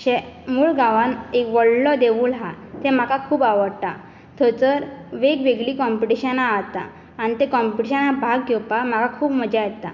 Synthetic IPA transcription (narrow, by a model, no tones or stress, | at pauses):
ɕɛmuːɭɡaʋãnekʋɔɭlɔd̪eʋuːlɦat̪ɛ̃m̤akakʰuːpaʋəɽt̪a | t̪ʰət͡səɾʋeɡʋeɡɭiːkɔmpiʈiɕanaːt̪a̰ː | ñit̪ekɔmpiʈiɕanabʱaɡɡepam̤akakʰuːpməd͡ʑajɛt̪a̰